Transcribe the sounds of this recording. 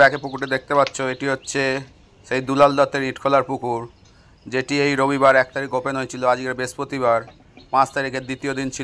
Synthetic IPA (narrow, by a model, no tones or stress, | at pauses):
ɛkepukuʈed̪ek̚t̪epatːɕʰoeʈiɦotːɕʰe | ʃejd̪ulald̪ɔt̪ːeɾniʈkʰolaɾpukuɾ | d͡ʑeʈiejɾobibaɾɛk̚t̪aɾik̚ɡopenɦoet͡ɕʰiload͡ʑkeɾbespɾot̪iβaɾ | pãt͡ɕt̪aɾikeɾd̪it̪iod̪int͡ɕʰi